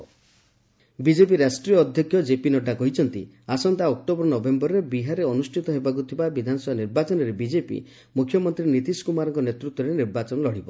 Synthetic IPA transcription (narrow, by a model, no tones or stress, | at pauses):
bid͡ʒepiɾasʈɾiɔːd̪ʱjɔkʰːjɔd͡ʒepinɔɖakɔɦit͡ʃʰɔnt̪ḭ | asɔnt̪aɔk̚ʈobɔɾɔnɔbembɔɾɾebiɦaɾeɔnusʈʰit̪ɔɦebakut̪ʰibabid̪ʱanɔsɔbaniɾbat͡ʃɔnɔɾebid͡ʒepḭ | mukʰːjɔmɔnt̪ɾinit̪iskumaɾɔŋkɔnet̪ɾut̪wɔɾeniɾbat͡ʃɔnɔlɔɽ̤ibɔ